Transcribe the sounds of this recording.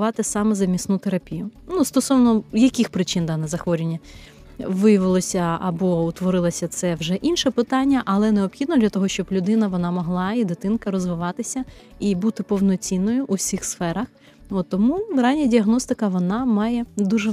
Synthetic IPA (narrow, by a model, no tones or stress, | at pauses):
ʋɑt̪ɪsɑmɛzɐmʲist̪nut̪eɾɐpʲijʊnust̪ɔsɔʋnɔjɐkʲɪxpɾɪt͡ʃɪnd̪ɑnɛzɐxʋɔɾʲɪnʲːɐ | ʋɪjɐʋɪlˠɔsʲɐɐ̰bɔʊt̪ʋɔɾɪlˠɐsʲɐt̪sɛwʒɛʔinʃɛpɪt̪ɑnʲːɐʔɐlˠɛneɔpxʲid̪nɔd̪lʲɐt̪ɔɦɔʃt͡ʃɔblʲʊd̪ɪnɐʋɔnɑmɔɦlˠɑid̪ɪt̪ɪnkɐɾɔzʋɪʋɑt̪ɪsʲɐibut̪ɪpɔwnɔt͡sʲinːɔjʊʔuwsʲixsfɛɾɐx | ɔt̪ːɔmuɾɑnʲɐdʲiɐɦnɔst̪ɪkɐʋɔnɑmɑjɛd̪uʒɛ